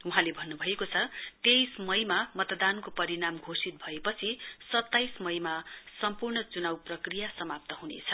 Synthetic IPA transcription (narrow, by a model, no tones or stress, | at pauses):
uɦãlebʱʌnːubʱʌekot͡sʰʌt̪ejsmʌjmamʌt̪d̪ankopʌɾinamɡʱosit̪̚bʱʌepʌt͡sʰisʌt̪ːajsmʌjmasʌmpurnʌt͡sunawprʌkrijasʌmap̚t̪ʌɦunḛt͡sʰʌ